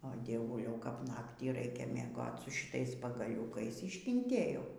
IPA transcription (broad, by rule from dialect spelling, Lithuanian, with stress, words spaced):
oː dʲiɛˈʋʊlʲɛʊ kɐp ˈnɑːktʲiː ˈrɐɪkʲɛ mʲiɛˈɡoːt sʊ ʃʲɪˈtɐɪs pɐɡɐˈlʲuːkɐɪs ɪʃʲkʲɪnʲˈtʲeːjɛʊ